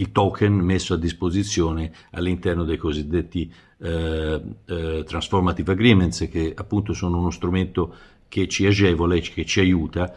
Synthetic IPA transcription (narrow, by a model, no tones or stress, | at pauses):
ilt̪ɔkʰenmesːoad̪ːispozit̪sːjɔːne | a̰lːint̪ɛrnod̪ejkozid̪ːet̪ːi | t̪ɾansformat̪ivaɡɾiːmensk̟eapːunt̪osoːnounost̪ɾument̪o | k̟et͡ʃːiad͡ʒɛːvolekːet͡ʃːiajuːt̪a